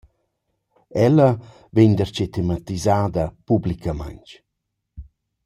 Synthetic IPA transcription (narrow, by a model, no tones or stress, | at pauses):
ɛlɐ | veɲd̪əɾt͡ʃet̪emat̪izaːd̪əpublikʰama̰ɲt͡ʃ